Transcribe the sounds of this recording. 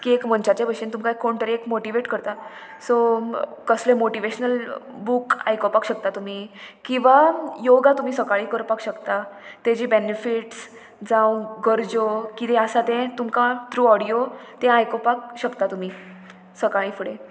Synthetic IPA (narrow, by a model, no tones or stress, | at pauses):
kiekm̤əɳt͡ɕat͡ɕebʱəɕint̪umkaekːoɳʈ̪əɾiekmoʈiʋeʈkəɾt̪a | sokəslemoʈiʋeɕnəl | buka̰jkopakɕək̚t̪at̪um̤ikĩw̃ʋajoɡat̪um̤iːsəkaɭiːkəɾpakɕəkt̪at̪ed͡ʑiːbenefiʈs | d͡zãw̃ɡəɾd͡ʑokit̪ɛ̃əsat̪ɛ̃t̪umkãt̪ɾuɔɽijot̪ɛ̃ajkopak̚ɕəkt̪at̪um̤i | səkaɭĩːfuɽe